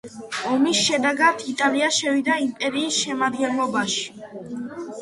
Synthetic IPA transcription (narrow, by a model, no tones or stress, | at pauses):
ɔmisʃɛd̪ɛɡad̪ʰit̪ʼaliaʃɛvid̪aimpʼɛɾiːsʃɛmad̪ɡɛnlˠɔbaʃi̥